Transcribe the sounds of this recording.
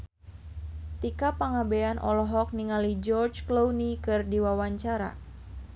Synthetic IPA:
t̪ikapaŋabeanʔɔ̰lɔɦɔk̚niŋalid͡ʒɔrt͡ʃklownikɨrdiwawaɲt͡ʃaɾa̰

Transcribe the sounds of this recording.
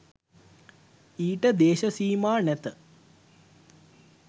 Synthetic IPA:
iːʈəd̪eːʃəsiːmaːnæt̪ə

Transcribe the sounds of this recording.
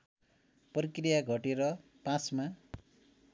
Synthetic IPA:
prikrijaɡʱʌʈeɾʌ | pãt͡sma

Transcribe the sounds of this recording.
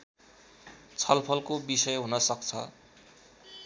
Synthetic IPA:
t͡sʰʌlpʰʌlkobisʌjɦunʌsʌkt͡sʰʌ̰

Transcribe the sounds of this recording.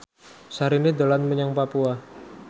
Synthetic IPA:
saɾinid̪olanməɲaŋpapua

